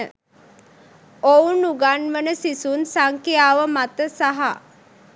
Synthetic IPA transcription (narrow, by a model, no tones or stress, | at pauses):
ə | ounuɡanʋənəsisunsaŋkejaːʋəmat̪əsaɦa